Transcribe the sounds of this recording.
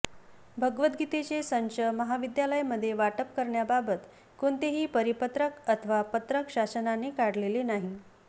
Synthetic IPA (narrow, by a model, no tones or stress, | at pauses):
bʱəɡʋət̪̚ɡit̪et͡sesənt͡ɕəməɦaʋid̪jaləjməd̪ʱːjeʋaʈəpkəɾɳjababət̪ | koɳt̪eɦiːpəɾipət̪ɾəkət̪ʰəʋapət̪ɾəkɕasənanekaɽlelenaɦi